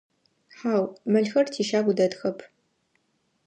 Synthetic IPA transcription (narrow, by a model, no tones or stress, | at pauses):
ħaːwmɨɮxɐrtʰiːʃaːɡʷʊdɐdxɐpʰ